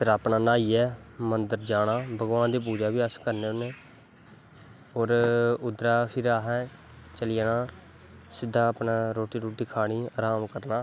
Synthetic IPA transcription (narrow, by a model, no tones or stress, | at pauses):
pʰɪɾaːpɳaːnaːiːɛːmənd̪əɾd͡ʒaːɽ̃aːbəɡʋãːnd̪iːp̬uːd͡ʒaːbiːəskəɾneːʊneː | oːɾʊd̪ɾaːpʰɪɾaːɦɛː | t͡ʃəlɪjaːnaː | sɪd̪ʱːãːpnaːɾoːʈiːɾoːʈiːkʰaːɽ̃iːaːɾaːmkəɾnaː